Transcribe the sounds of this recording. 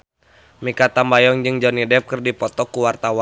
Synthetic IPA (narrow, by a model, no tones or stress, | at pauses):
mikat̪ambajɔŋd͡ʒɨŋd͡ʒɔnidɛp̚kərdipɔt̪ɔkuwart̪awa